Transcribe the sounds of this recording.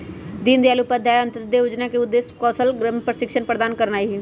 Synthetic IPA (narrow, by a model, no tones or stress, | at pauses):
d̪ind̪iaːlupəd̪ʱjaːjə̃nt̪əd̪eʊd͡ʒnakeʊd̪ːeːskɔːsəlɡpɾəsɪkʃənpɾəd̪aːnkəɾnaːiɦi